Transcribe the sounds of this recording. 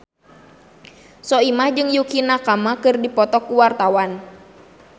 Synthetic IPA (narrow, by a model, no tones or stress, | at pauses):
sɔimahd͡ʒɨŋjukinakamakɨrdipɔt̪ɔkːuwart̪awan